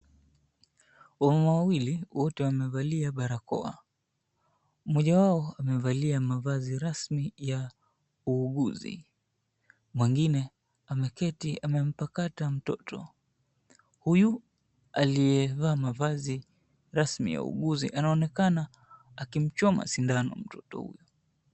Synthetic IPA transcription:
wamamawawiliwɔtɛwamɛvaliaɓaɾakɔ̰a̰ | mɔʄawaɔamɛvaliamavaziɾasmija | uːɠuzḭ | mwɛŋɡinɛ | amɛkɛtiamɛm̩pakatam̩tɔ̰tʰɔ̰ | huju | alijɛvaːmavazi | ɾasmḭja̰ṵɠuzḭʔanaɔnɛkanaː | kim̩t͡ʃɔma̰sindanɔ̰m̩tɔtɔ̰hṵjɔ

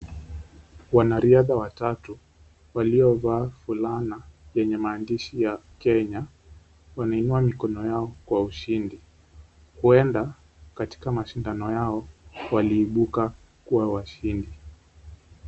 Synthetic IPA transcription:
wanaɾiaðawatatu | waliɔvaːfulanajɛɲɛmaːndiʃijakɛɲa | wanainuamikɔnɔjaɔkwauʃindi | huɛnda | kati̥kamaʃindanɔjaɔwaliːɓuka | kuwawaʃindi

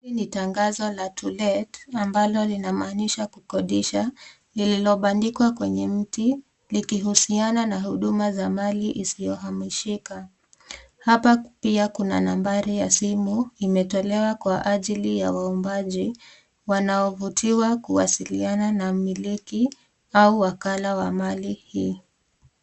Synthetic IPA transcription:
initaŋɡazɔlatʰulɛtambalɔlinamaːniʃakukɔɗiʃa | lililɔɓandikwakwɛɲɛm̩ti | likiɦusiananahuɗumazamaliʔisijɔɦamiʃika | hapapiakuna̰nambaɾijasimuimɛtɔlɛwakwaʔaʄilija̰waumbaʄi | wanaɔvutʰiwakuwasiliananamiliki | auwakalawamalihiː

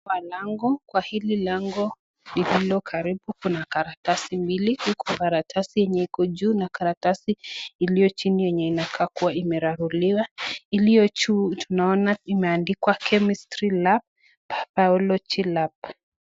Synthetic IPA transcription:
walaŋɡɔkwahililaŋɡɔ | lililɔkʰaɾibukunakaɾatasimbilihukʰɔkaɾatʰasijɛɲɛikɔd͡ʒuːnakaɾatasiːlijɔt͡ʃinijɛɲɛinakʰaːkuwaimɛɾaɾuliwailijɔt͡ʃutunaɔnaimɛandikwakʰɛmistɾilap̚ | apaɔlɔt͡ʃilap̚

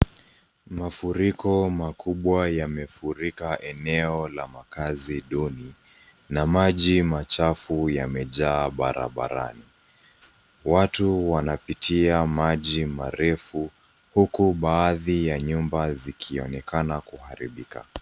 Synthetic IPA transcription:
mafuɾikɔmakuɓwajamɛfuɾikaʔɛnɛɔlamakaziɗɔni | namaʄimat͡ʃafujamɛʄaːɓa̰ɾa̰ɓa̰ɾa̰ni | watuwanapitʰiamaʄimaɾɛfu | hukuɓaːðijaɲumbazikʰiɔnɛkanakuhaɾḭɓika̰

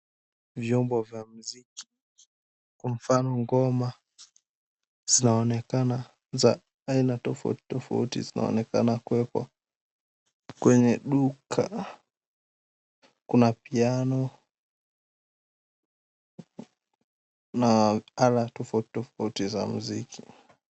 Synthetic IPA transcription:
vjɔmbɔvjam̩ziki̥ | kwam̩fanɔŋɡɔma | z̥inaɔnɛkana | za | ainatɔfaṵti̥tɔfa̰utḭzina̰ɔ̰nɛka̰nakuwɛkwa̰ | kwɛɲɛɗukʰa | kunapianɔ | naalatɔfauti̥tɔfautiza̰m̩zikʰi

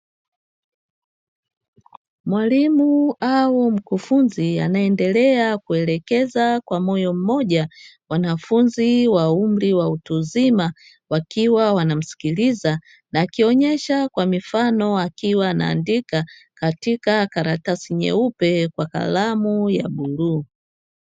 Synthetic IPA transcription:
mwalimuawɔm̩kufunzia̰naɛndɛlɛakuɛlɛkɛzakwamɔjɔm̩mɔʄa | wanafunziwaum̩ɾiwautuzima | wakiwawanam̩si̥kiliza | naːkiɔɲɛʃakwamifanɔakiwaːna̰ːndikakatikakaɾatasiɲɛ̰upɛkwaka̰lamuja̰ɓuluː

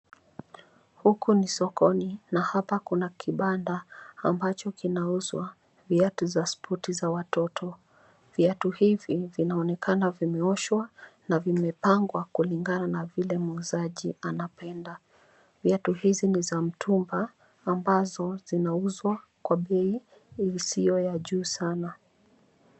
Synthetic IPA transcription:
hukunisɔkɔninahapakunakʰiɓandaːmbat͡ʃɔkinauzwa | viatuzaspʰɔtizawatɔtʰɔ | viatuhivivinaɔnɛkanavimɛɔʃwanavimɛpaŋɡwakuliŋɡananavilɛmuzaʄianapɛnda | viatuhizinizam̩tʰumbaː | mbazɔzinauzwakwaɓɛi | isijɔjaʄuːsana

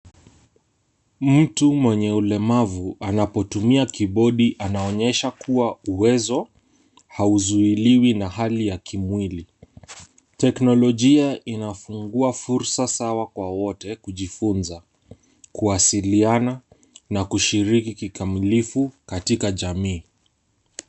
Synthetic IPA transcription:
m̩tumwɛɲɛulɛmavuanapɔtumiakiɓɔɗiʔanaɔɲɛʃakʰuwauwɛzɔ | hauzuiliwinaɦalijakimwili | tɛknɔlɔʄiaʔinafuŋɡuafuɾsasawakwawɔtɛkuʄifunza | kuasiliana | nakuʃiɾikikikamilifukatikaʄamiː

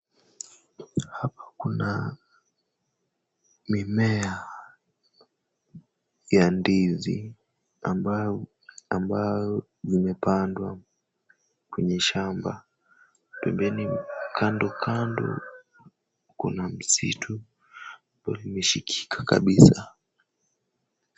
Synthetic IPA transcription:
hapḁkuna | mimɛa | jandizi | amb | ambaɔ | zimɛpandwa | kwɛɲɛʃamba̰ | pɛmbɛnikʰandɔkʰandɔ̰ | kṵnam̩sitʰu | balimɛʃikʰi̥kʰḁka̰ɓisa

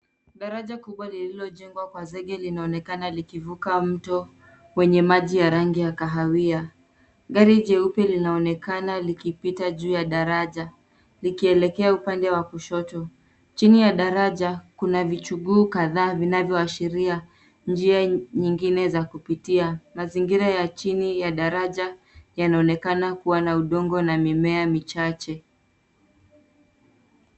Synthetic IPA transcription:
ɠaɾaʄakuɓwalililɔʄɛŋɡwakwazɛɠɛlinaɔnɛkanalikivukam̩tɔ | wɛɲɛmaʄijaɾaŋɡijakaɦawia | ɠaɾiʄɛupjalinaɔnɛkanalikipitaʄuːjaɗaɾaʄa | likiɛlɛkɛaupandɛwakuʃɔtɔ | t͡ʃinijaɗaɾaʄakunavit͡ʃuɠuːkaðaːvinavjɔaʃiɾia | nd͡ʒiaɲiŋɡinɛzakupitiamaziŋɡiɾajat͡ʃinijaɗaɾaʄa | janaɔnɛkanakuwanauɗɔŋɡɔnamimɛamit͡ʃat͡ʃɛ

